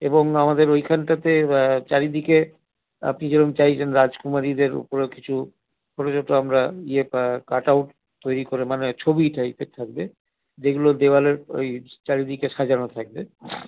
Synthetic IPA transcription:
eboŋamad̪eɾojkʰanʈat̪et͡ɕaɾid̪ike | a̰pnid͡ʑenont͡ɕajt͡ɕʰenɾad͡ʑkumaɾid̪eɾo̰poɾeki̥t͡ɕʰu | pʰɔɾod͡ʑoʈoamɾaiepakaʈawʈ | t̪ːojɾikoɾemanet͡ɕʰobiʈʰajfet̪ʰak̚be | d͡ʑeɡulod̪ewaleɾo̰jt͡ɕaɾid̪ikeʃad͡ʑanot̪ʰak̚be

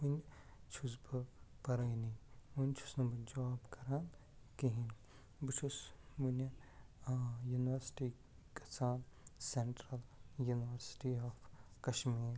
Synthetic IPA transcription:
unt͡ʃʰusbɨpɐɾɐjniʋunʲt͡ʃʰu̥snɐbɐd͡ʒɐʋaːbkɐɾan | kiɦĩn | bɨt͡ʃʰus | ʋun | juniʋəɾsʈi | kɐsaːnseɳʈɾɐljuniʋɐɾsi̥ʈiɔːf | kɐʃmiːɾ

